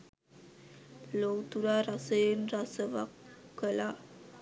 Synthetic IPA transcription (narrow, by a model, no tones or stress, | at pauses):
plowt̪uɾaɾasəjənrasəva̰kːəla